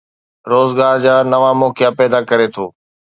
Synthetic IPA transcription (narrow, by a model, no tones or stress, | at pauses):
ɾoːzɡaːɾd͡ʑaːnɐʋamoːkɪjapɛːd̪akɐɾet̪ʰoː